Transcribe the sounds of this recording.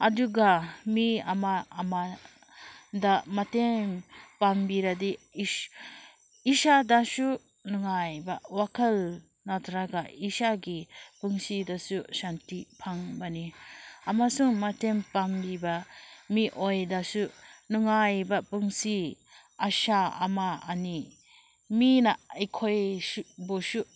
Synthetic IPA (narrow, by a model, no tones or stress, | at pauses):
aduɡamiamaːma | damatempambiɾadi | isadasu | nuŋajbawakʰɐl | natʰɾaɡaisaɡipuŋsidasusantipʰaŋbaniamasuŋmatempambibamiʔojdasunuŋajbapɯŋsi | aʃa̰ːma̰ːni | minaɐjkʰojbosu